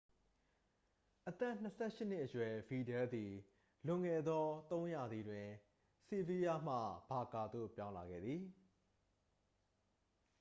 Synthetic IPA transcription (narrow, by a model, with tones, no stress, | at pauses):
ʔət̪ɛ˦˨n̥əsʰɛ˦˨ʃɪ˦n̥ɪ˦ʔəjwɛ˨bi˨dɛ˦d̪i˨ | lʊ̃˨ŋɛ˨d̪ɔ˦t̪õ˦ʊ̃ja˨d̪i˨dwɪ̃˨ | si˦˨vi˦ja˦m̥ä̰˦˨b̥a˨ka˨d̪o̰˦˨pjã˦ʊ̃la˨ɡɛ̰˦˨d̪ði˨